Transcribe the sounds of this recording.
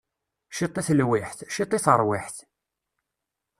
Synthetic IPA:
ʃit̪ˤːiθlwiħθʃit̪ˤːiθəɾˤwiħθ

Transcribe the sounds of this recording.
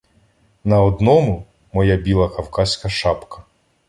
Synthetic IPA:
nɐɔd̪nɔmʊ | mɔjabʲilˠɐkɐwkɑsʲkɐʃɑpkɐ̥

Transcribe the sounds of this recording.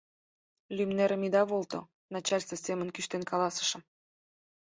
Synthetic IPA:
lʲymneɾə̆mid̪ɑβolt̪o̰ | nɑt͡ɕɑlʲst̪əsʲemənkyʃt̪enkɑlɑsə̥ʃə̆m

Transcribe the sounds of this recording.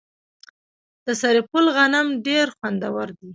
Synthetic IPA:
d̪̥əsaɾepʊlɣanamɖeɾxwand̪awaɾd̪i

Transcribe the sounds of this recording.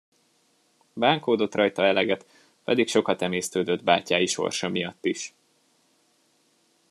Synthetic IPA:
baːŋkoːd̪o̞t̪rɒjt̪ɒɛlɛɡɛt̪ | pɛd̪ikʃo̞kɒt̪ɛmeːst̪øːd̪ød̪ba̰ːcaːjiʃo̞̰rʃɒmijɒt̪ːiʃ

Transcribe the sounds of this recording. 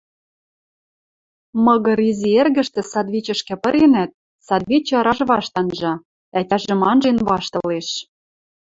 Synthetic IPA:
mɤ̆ɣɤ̆ɾizʲierɣɘ̆ʃt̪ĕsɑd̪βit͡ɕə̆ʃkɘ̆pə̆ɾenæt̪̚ | sɑd̪βit͡ɕɤ̆ɤɾɑʒβɑʃt̪ɑnʒɑ | æt̪ʲæʒɘ̆mɑnʒenβɑʃt̪ɤ̆leʃ

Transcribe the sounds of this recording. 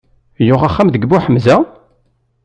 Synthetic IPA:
jʊʁaχːæmðəɡbuħəmzæ

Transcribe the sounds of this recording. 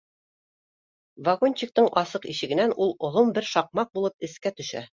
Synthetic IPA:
vaɡonʲt͡ɕik̚t̪ɤɴʔɒsɤqiɕɘ̆ɡɘ̆nænulˠŏðˠombɘɾʃɑq̚mɑq̚bulˠɤp̚ɘ̆skæt̪ɵ̆ʃæ̰

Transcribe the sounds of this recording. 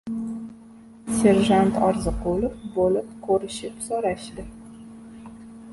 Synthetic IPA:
sʲe̞ɾʒant̪ʰɒ̰ɾzɨqulɪpbolɪp̚kʰɵɾɪʃɪpsoɾaʃd̪ɪ

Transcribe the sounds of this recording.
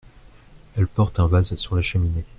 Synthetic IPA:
ɛlpɔʁt̪ɛ̃vazsyʁlaʃəmine

